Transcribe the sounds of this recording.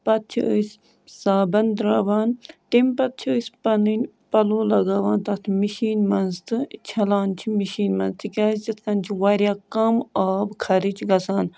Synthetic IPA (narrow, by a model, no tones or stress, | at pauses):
pɐt̪̚t͡ʃʰiəs | saːbɐnd̪ɾaːʋaːnt̪impɐt̪̚t͡ʃʰiəsʲpɐninʲ | pɐloːlɐɡaːʋaːnt̪ɐt̪ʰmiʃiːnmɐnzt̪ɨt͡ʃʰɐlaːnt͡ʃʰimiʃiːnmɐnzt̪ʰikʲaːsd͡ʒɐt̪ʰkɐnt͡ʃʰiʋaːɾʲjaːkɐmaːbkʰɐɾit͡ʃʰɡɐsaːn